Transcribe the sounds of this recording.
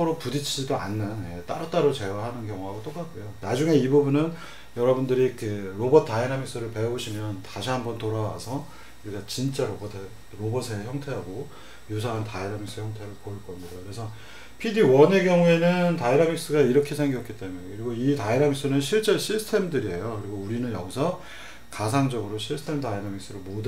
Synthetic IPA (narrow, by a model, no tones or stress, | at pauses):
ɯɾopudit͡ɕʰid͡ʑidoa̰nːɯnjet͈aɾʌt͈aɾot͡ɕe̞waɦanɯnkjʌŋoɦaɡot͈ok͈ak͈ojonad͡ʑuŋe̞ibubunɯn | jʌɾʌbundɯɾikʰeɾobʌtʰt͈aiɾamiks͈ɯɾɯɭpe̞oɕʰimjʌntaɕʰiɦambʌntoɾawa̰sʰʌ | kuɾik͈at͡ɕint͡ɕ͈aɾobʌtʰ | ɾobʌsʰeçjʌŋtʰe̞ɦaɡo | jus̬ʰaɦantaiɾamiks͈ɯçjʌŋtʰe̞ɾɯɭpoiɭk͈ʌɲidakɯɾe̞sʰʌ | pʰidiwʌne̞ɡjʌŋue̞nɯntaiɾamik̚s͈ɯɡaiɾʌkʰe̞sʰe̞ŋɡjʌk͈it͈e̞muekɯɾiɡoitaiɾamiks͈ɯnɯnɕʰiɭt͡ɕ͈eɕʰisʰtʰe̞mdɯɾie̞jokɯɾiɡouɾinɯnjʌɡisʰʌ | kas̬ʰaŋd͡ʑʌɡɯɾoɕʰiɭstʰe̞mtaiɾamik̚s͈ɯɾomod